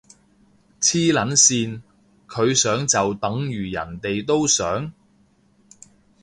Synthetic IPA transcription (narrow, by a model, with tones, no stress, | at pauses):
t͡sʰiː˥lɐ˨˥nsiː˧n | kʰɵ˨˧ɥsœː˨˥ŋt͡sɐ˨wt̪ɐ˨˥ŋjyː˨˩jɐ̰˨˩nt̪e˨jt̪o˥wsœ̰ː˨˥ŋ